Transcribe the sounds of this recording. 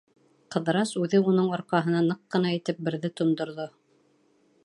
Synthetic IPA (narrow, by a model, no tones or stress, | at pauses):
qɤ̆ðɤɾɑsʉðɘunɤɴɑɾqɑɦɤ̆nɑnɤqːɤ̆nɑit̪ɘp̚bɘ̆ɾðɘt̪ŏnd̪ŏɾðo